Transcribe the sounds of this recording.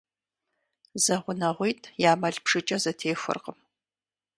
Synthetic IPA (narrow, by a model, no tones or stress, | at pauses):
zɐʁʷʊnɐʁʷijtʰʼjaːmɐɮpʂɨt͡ʃʼɐzɐtʰeːxʷʊ̰rqəm